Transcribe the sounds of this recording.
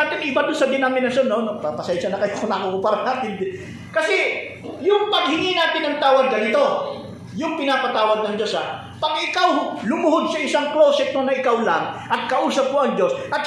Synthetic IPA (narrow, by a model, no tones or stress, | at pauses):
aːt̪ɪnɪbad̪ʊnsɐd̪ɪnamɪnɐsonːonopɐpɐsɛnʃɐnɐkɐjokonɐkokʊpaɾɐnaːt̪ɪnd̪ɪ | kɐsɛ | jʊŋpɐɡ̚hɪŋinaːt̪ɪnɐŋt̪aːwɐɡ̪̚ɡɐnɪt̪o̞ | jʊŋpɪnaːpɐt̪aːwɐɡ̪̚nɐŋd͡ʒo̞sa | pɐɡɪkawlʊmʊɦod̪̚sɐʔɪsaŋklowsɛk̪̚monɐʔɪkawlaŋʔɐt̪̚kɐʔuːsɐb̚koʔɐŋd͡ʒo̞sʔɐt̪̚